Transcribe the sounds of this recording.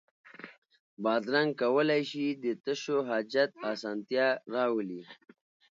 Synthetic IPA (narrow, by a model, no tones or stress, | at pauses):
bɑːd̪ɾaŋɡ̚kawəlajʃid̪ət̪əʃoɦɑːd͡ʒat̪̚ɑsɑnt̪jɑɾɑwəli